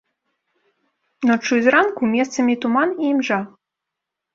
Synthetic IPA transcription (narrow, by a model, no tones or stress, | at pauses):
not͡ʃuzʲɾɑnkumʲest̪t͡sə̆mʲit̪umɑnimʒɑ